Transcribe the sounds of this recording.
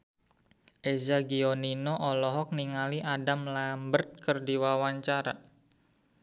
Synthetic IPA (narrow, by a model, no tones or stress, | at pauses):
ʔezaɡioninɔʔɔlɔɦɔk̚niŋaliʔadamlambərt̪̚kərdiwawaɲt͡ʃaɾa̰